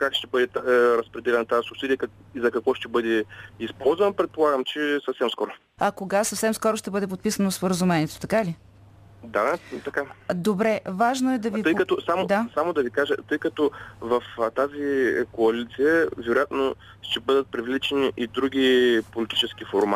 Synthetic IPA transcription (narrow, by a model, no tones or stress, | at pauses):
kakʃt̪ɛbɤd̪ɛt̪ɾɐspɾɛd̪ɛlʲɛnɐt̪aisʊpsid̪iək | izɐkɐkvɔʃt̪ɛbɤd̪ɛispɔlˠzvɐnɐpɾɛt̪̚polˠaɡəmt͡ʃɛsəfsɛmskɔɾʊ | ɐkoɡasəfsɛmskɔɾʊʃt̪ɛbɤd̪ɛp̬ot̪̚pisənospoɾəzumɛnʲiɛt̪o̥t̪ɐkali | d̪at̪ɐkad̪obɾɛvaʒnoɛtd̪ɐviəjkɐt̪ɔsamod̪asamod̪ɐvikaʒə̰t̪ɤjkɐt̪ɔvɐft̪azikoɐlit̪sijəvɛɾʊjat̪no | ʃt̪ɛbɤd̪ət̪̚pɾivlit͡ʃɛniʔid̪ɾuɡʲipolit̪i̥t͡ʃɛskifoɾmat̪